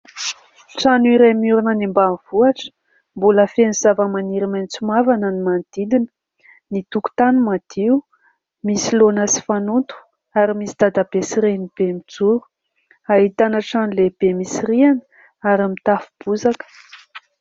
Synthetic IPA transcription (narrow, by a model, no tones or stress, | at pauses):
ʈ͡ʂanuiɾemuɾunənimbanv̥uaʈ͡ʂə̥ | mbuləfeniz̥avəmaniɾimant͡sumavanənimand̪̥id̪inə̥ | nit̪uku̥t̪anumad̪̥iu | misilonəsi̥fanunt̪u̥ | aɾimisid̪̥ad̪abesiɾenib̥emid͡zuɾu̥ | aɦit̪anəʈ͡ʂanuleb̥emisirianə̥ | aɾimit̪afu̥b̥uzakə̥